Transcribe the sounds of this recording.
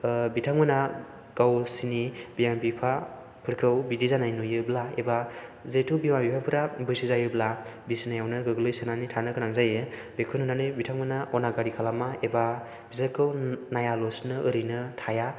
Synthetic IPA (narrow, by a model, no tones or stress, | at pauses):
bitʰaŋmɯna | ɡ̥awsinibijambipʰa | pʰɯɾkʰɯwbidizanajnujɯblaebazetʰubimabipʰapʰɯɾabɯjsizajɯblabisinajawnɯɡɯɡɯlɯjsenanitʰanɯkɯnaŋzajebekʰɯnunanɯjbitʰaŋmanaʔɔnaɡaɾikʰalamaeba | bizakʰɯwnajalosnɯʔɯɾinɯtʰaja